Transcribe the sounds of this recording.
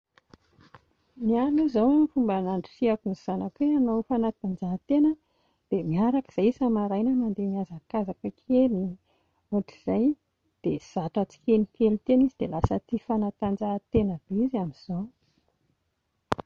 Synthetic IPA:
nianuzawamifumbanaɳɖ͡ʐi̥fiakunz̥anakweanowfanat̪and͡zaɦt̪enə | d̪̥emiaɾakə̥z̥ajisamaɾajnəmand̪emiazakazakəkʰeli | oʈ͡ʂiz̥aj | d̪̥ez̥aʈ͡ʂat͡si̥kenikelit̪enizid̪̥elasət̪ifanat̪and͡zat̪enəb̥izamiz̥ow

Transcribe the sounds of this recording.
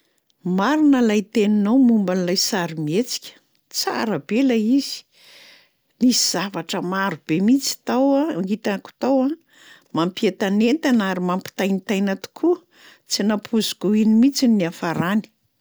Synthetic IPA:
maɾinəlajt̪eninawmumbanlajsaɾimiet͡si̥kʲə̥ | t͡sa̰ɾəbelaiz̥i̥ | nisiz̥avaʈ͡ʂəmaɾub̥emit͡si̥t̪awaŋit̪aku̥t̪awa | mampiet̪anent̪anaɾimampi̥t̪ajnit̪ajnat̪u̥kʰu | t͡sinapʰuzu̥kuinimit͡sinːiafaɾani̥

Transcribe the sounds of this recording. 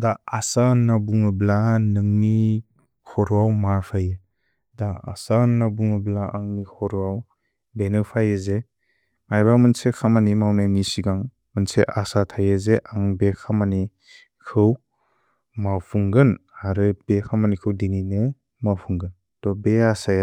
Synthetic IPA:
daasanːabuŋɯblanɯŋni | kʰɔɾuawmaɾpʰajɯ | daa̰sanːabuŋɯblaʔaŋnikʰɔɾuaw | benɯpʰajɯze | majbamɯnsekʰamanimawnanisiɡaŋ | mɯnseʔasatʰajɯzeʔaŋbekʰamani | kʰɯw | mawpʰuŋɡɯnaɾɯbekʰamanikʰɯwdininɯ | mawpʰuŋɡɯn | tɔbeasaja

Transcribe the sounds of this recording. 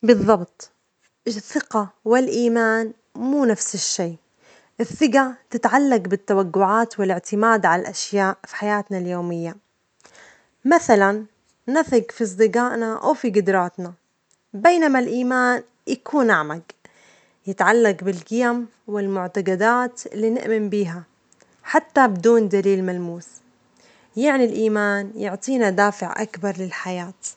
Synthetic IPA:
bɨðˤːɑbt̪ˤ | ʔɪθːɪqawɪlʔiːmaːn | muːnafsɪʃːiː | ʔɪθːɪɡat̪ɪt̪ʕalːaqbɪt̪ːawaɡːʊʕaːt̪wɪlɪʕt̪ɪmaːd̪ʕalalʔaʃjaːʔfi̥ħajaːt̪naljoːmɪjːa | maθalanː | aθɪɡfiɑs̬ˤd̪ɨɡaːʔnaʔa̰wfiɡʊd̪ɾˤɑːt̪na | beːnamalʔiːmaːn | jakʰuːnʔaʕmaɡ | jɪt̪ʕalːaqbɪlqɪjam | wɪlmʊʕt̪aɡad̪aːt̪ɪlːiːnɪ̰ʔmɪmbiːɦa | ħat̪ːabɪd̪uːnd̪aliːlmalmuːs | jɪʕnilʔiːmaːnjʊʕt̪ˤiːnad̪aːfɪʕʔa̰kbɑɾˤlɪlħajaːt̪

